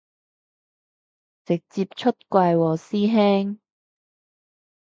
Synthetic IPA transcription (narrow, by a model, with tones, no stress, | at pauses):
t͡sɪ˨k̚t͡siː˧p̚t͡ʃʰɵ˥t̚kʷwaː˧jwɔː˨˩siː˥ɦɛː˥ŋ